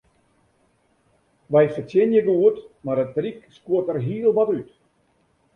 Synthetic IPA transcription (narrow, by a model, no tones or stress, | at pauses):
ʋɛjfətʰjɪnjəɡəuətmarədrikskuətərɦiəlˠʋɔtyt